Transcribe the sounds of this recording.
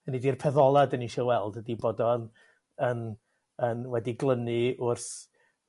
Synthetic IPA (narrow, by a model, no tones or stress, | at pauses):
ənidirpʰɛðɔlˠadəniʃilˠwɛlˠdədiboːdɔn | ən | ənwɛdiɡlˠənɨʊrθ